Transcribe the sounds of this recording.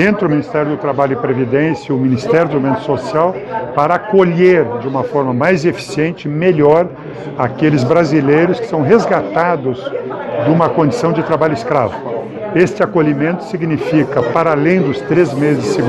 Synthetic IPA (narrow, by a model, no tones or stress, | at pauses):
ẽnt̪ɾɪʊmĩnist̪ɛɾjʊd̪ʊt̪ɾabaʎʊɪpɾevid̪ẽsjɐʊminist̪ɛɾjʊd̪ʊomẽnt̪ʊ̥sosiawpaɾɐakoʎeɾd͡ʒɪũmɐfɔɾmɐmajzefi̥siẽnt͡ʃɪmeʎɔɾ | akelɪzbɾazilejɾʊskɪ̥sɐ̃w̃ɦezɡat̪ad̪ʊz | d͡ʒ̪ũmɐkõd͡ʒisɐ̃w̃d͡ʒɪt̪ɾabaʎʊɪskɾa̰vʊ | est͡ʃɪakoʎimẽnt̪ʊ̥siɡnifikɐpaɾalẽj̃d̪ʊst̪ɾezmezɪɪsseɡu